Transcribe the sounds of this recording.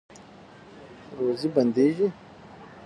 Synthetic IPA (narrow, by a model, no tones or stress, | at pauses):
ɾoːzibɐnd̪eːʒi